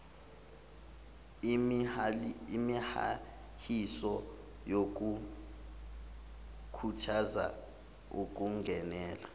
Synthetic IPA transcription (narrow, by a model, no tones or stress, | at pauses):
imiha̰ | hisɔ | jok̬ʼu | kʰutʰaza̰ | uk̬ʼuŋɡʱɛnɛːla